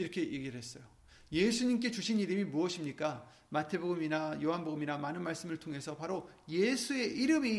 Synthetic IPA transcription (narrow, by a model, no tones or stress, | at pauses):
iɾʌkʰe̞jeɡiɾɯɭhe̞s͈ʌjo | je̞sʰuɲimk̬͈e̞t͡ɕuɕʰiniɾɯmimuʌɕʰimɲik͈a | matʰe̞boɡɯminajoɦanboɡɯminamanɯnmaɭs͈ɯmɯɭtʰoŋɦe̞sʰʌpaɾoje̞sʰue̞ʔiɾɯmi